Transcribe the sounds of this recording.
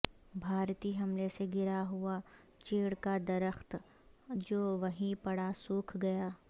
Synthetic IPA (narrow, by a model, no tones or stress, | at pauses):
bʱaːɾt̪iɦɐmleseɡɪɾaɦʊa | t͡ʃeːɽkad̪ɐɾəxt̪ | d͡ʒoːʋɐɦĩpɐɽasuːkʰɡɐjaː